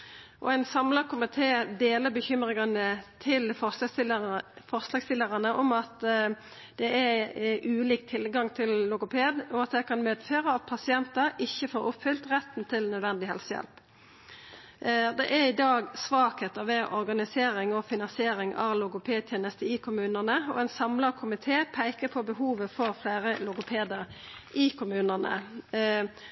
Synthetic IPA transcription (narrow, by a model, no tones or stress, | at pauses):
ʔɔ̰ɛɪnsɑmləʁkʰʊmɪt̪ʰeːd̪eːləbəçʏmʁɪŋɑnət̪ʰɪl | fɔʁslɑːɡst̪ɪlːəʁɑnəʔɔmɑt̪ | d̪̥ɛæʔʉːliːk̚t̪ʰɪlɡɑŋt̪ʰɪlːʊkʊpʰeːd̪ɔɑt̪d̪ɛɪkʰɑnmeːd̪føːʁəɑt̪̚pʰɑsɪɛnt̪əɾɪçːəfoːɾʊpfʏlt̪ʁɛt̪ːn̩t̪ʰɪlnœd̪ʋɛnd̪ɪɦɛ̰lsəjɛ̰lp | d̪ɛʔæɾɪd̪ɑːɡsʋɑːkheːt̪əʁʋɛʔɔɾɡɑnɪseːɾɪŋɔfɪnɑnsɪeːɾɪŋɑ̰ʋlʊɡʊpʰeːd̪̚t̪ʰjeːnəst̪əɪkʰʊmʉːnəʁnəɔ̰ɛɪnsɑmləʁkʰʊmɪt̪ʰeːpʰæɪkəpʰɔbəɦuːʋəfɔʁflæːʁəlʊɡʊpʰeːd̪əʁ | ʔɪkʰʊmʉːnənə̰